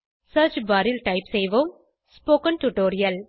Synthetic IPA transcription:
sɐɾt͡ʃbaɾɪlʈɐɪpsɛjʋoːm | spoːkɐ̃nʈuʈoːɾɪjɐl

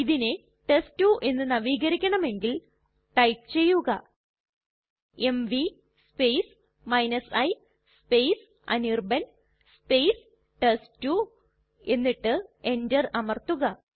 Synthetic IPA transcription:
iðine | ʈestuʔe̞nːɨnɐʋiːɣɐɾikʲːɐɳɐme̞ŋɡil | ʈɐjp̚t͡ɕe̞jːuɣɐ | e̞mʋi | spejs | mɐjnɐsɐj | spe̞js | ɐ̰nirbɐn | spe̞js | ʈestu | e̞nːiʈːɨe̞ndɐrɐmɐrt̪uɣɐ

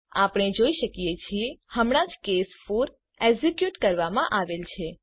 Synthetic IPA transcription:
apɳ̃ed͡ʒoiʃəkijet͡ʃʰiehəmɽ̃ãd͡ʒkesfuɾ | eɡzikjuʈkəɾʋamã̰ʔaʋelt͡ʃʰe

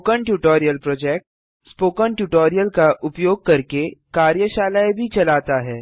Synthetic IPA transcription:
kəɳʈjuːʈɔːɾijəlpɾoːd͡ʒɛːk̚ʈ | spoːkəɳʈjuːʈɔːɾijəlkaʔʊpjoːɡ̚kɐɾkekaːɾjəʃaːlaːebʱit͡ʃɐlaːt̪aɦɛː

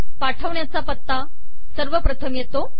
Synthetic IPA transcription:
paʈʰəʋɳjat͡sapət̪ːa | səɾʋəpɾət̪ʰəmjet̪o

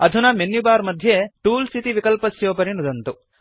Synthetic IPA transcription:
ɐd̪ʱunɐmenːjubaːɾmɐd̪ʱjeʈuːlsit̪iʋikɐlpɐsjoːpɐɾinud̪ɐnt̪u

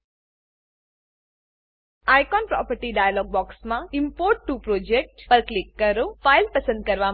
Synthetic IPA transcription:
ajkɔːnpɾɔ̰ːpəɾʈiɖaːjalɔːɡ̚bɔːksmaimpoɾʈːupɾoːd͡ʒek̚ʈpɐɾklikːɐɾupʰajlpɐsənd̪̚kɐɾʋaː

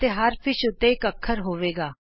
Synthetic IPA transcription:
t̪eɦəɾpʰɪʃʊt̪ːeːɪkəkʰːəɾɦoːʋeːɡaː

